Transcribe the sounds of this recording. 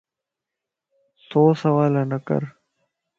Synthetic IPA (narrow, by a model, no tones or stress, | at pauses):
soːsəʋaːlaːnəkə̰ɾ